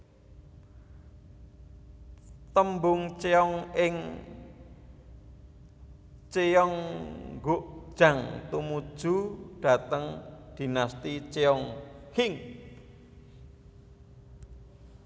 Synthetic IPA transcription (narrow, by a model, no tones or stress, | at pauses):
t̪əmbʊŋt͡ʃeɔŋɪŋ | t͡ʃejɔŋɡoʔd̥ʒ̥a̤ŋt̪umud̥ʒ̥ṳɖ̥a̤t̪əŋd̪̥i̤nast̪it͡ʃeɔŋhɪŋ